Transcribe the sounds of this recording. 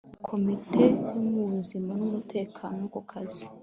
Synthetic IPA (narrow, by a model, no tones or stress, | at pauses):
kʰo̞mitʰe̞jumuzimanumutʰe̞ːkʰaːnokukʰazi